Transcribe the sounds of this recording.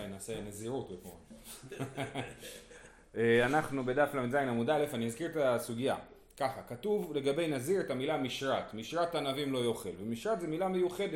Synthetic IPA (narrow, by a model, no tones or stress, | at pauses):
ajnaːseneziʁutbeko | eanaχnube̞d̪aflaminzajinamud̪aele̞faniazkiʁet̪asuɡija̰ | kaχakatuvle̞ɡabe̞jnaziʁet̪amilamiʃʁat̪miʃʁat̪anavimlo̞jo̞χelvemiʃʁat̪zemilamejuχe̞de